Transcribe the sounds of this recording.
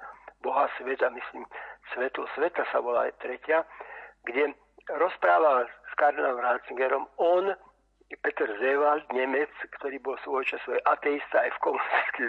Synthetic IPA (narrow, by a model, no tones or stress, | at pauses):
boɦasʋɛt̪amisliːmsʋɛt̪lɔsʋɛt̪asaʋola̰t̪ɾɛcɪaɡɟɛ | ɾɔspɾaːʋalskaɾnamɾalt͡siŋɡɛɾɔmɔn | pɛt̪ɛɾzɛʋald̪ɲɛmɛt͡skt̪oɾiːbɔlsʋɔjt͡ʃasɔɛʔat̪ɛist̪aːjfkomunisi̥t͡ski